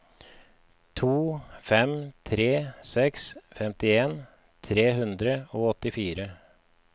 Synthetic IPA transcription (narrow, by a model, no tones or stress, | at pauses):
t̪ʰuːfɛmt̪ʰɾeːsɛksfɛmt̪ɪeːn | t̪ʰɾeːɦʉnd̪ɾəoːɔt̪ɪfiːɾə